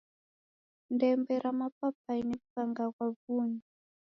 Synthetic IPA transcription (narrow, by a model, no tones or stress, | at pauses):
ndɛmbɛɾamapap̚ainɛkukaŋɡakwavuːɲi